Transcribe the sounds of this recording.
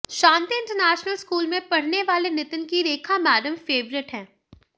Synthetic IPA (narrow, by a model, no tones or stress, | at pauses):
ʃãːnt̪iɪ̃ɳʈəɾnɛːʃnəlskuːlmẽpɐɽ̤neʋaːlenɪt̪ənkiɾeːkʰamɛːɖəmfeːʋɾɪʈɦɛ̃ː